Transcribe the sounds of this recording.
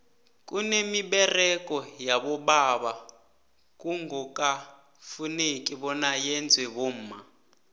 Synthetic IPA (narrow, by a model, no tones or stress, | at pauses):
kʼunemiɓɛrɛkʼɔjaɓɔɓaβa | kuŋɡɔkʼa | funekʼiβɔnajɛnd͡zʱwɛβom̩ːma